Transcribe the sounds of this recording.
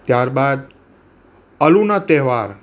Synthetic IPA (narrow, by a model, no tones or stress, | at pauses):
t̪jaɾbad̪ | əlunat̪eɦʋaɾ